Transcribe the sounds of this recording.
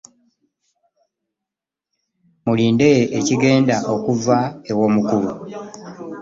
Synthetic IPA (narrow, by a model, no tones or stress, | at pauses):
muliːndejeʔeciɡe̞ːndaʔo̞kuvaewo̞ːmukuɾu